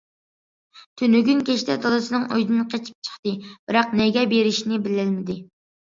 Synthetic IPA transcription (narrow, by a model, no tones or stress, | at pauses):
t̪ʰynyɡʲynkʲʰɛʃt̪ʰɛd̪ʰolˠɨsɨnɨŋojd̪ɨnqʰet͡ʃʰi̥p̚t͡ʃʰə̥χt̪ɨb̥ɪɾɑqnɛɡʲɛbeɾɪʃnɪbɪlɪlmɪd̪ɪ